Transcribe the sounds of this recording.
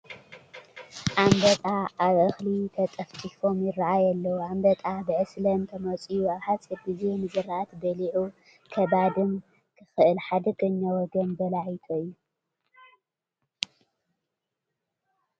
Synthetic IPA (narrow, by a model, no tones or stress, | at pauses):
ʔambɐt̪ʼaaβʔɨxlit̪ʰɐt̪ʼɐft̪ʼifo̞mjɪrːaʕajɛlːɐwambɐt̪ʼabɨʕɨslɐnt̪ʰɐmɐt͡sʼijuaβħat͡sʼiɾbizenɨzɨɾʔat̪bɐliʕu | kʰɐbad̪ɨn | kʰɨxɨʔɨlħad̪ɐkʼɨɲːawɔɡɐnbɐlaʕit̪ʰoɨjːu